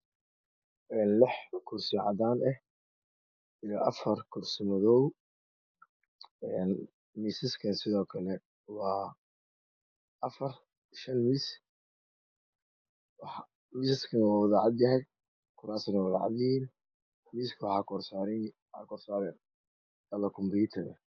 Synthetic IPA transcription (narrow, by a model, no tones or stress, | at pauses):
ʔɛːnlɪħɐkʰʊrsɪʕɑ̰ðaːnʔɛh | ɪjɔʔɐfɐrkʰʊrsɪmɔðɔw | ɛːn | miːsɪskʰɐnsɪðɔːkʰɐlɛ | wɑː | ʔɐfɐr | ʃɐnmiːs | wɑħ | miːsɪskʰɐnɐwaːwɑðaːʕɑd̪jɐɦɛj | kʰʊɾaːsɪnɐwɑða̰ːʕɑ̰d̪jɪiːn | miːskʰɐwɑħɑːkʰɔrsaɾwħɑ̰kɔrsaːɾɛn | ɐlɐkʰʊmbiːt̪ʰɐðɛ̰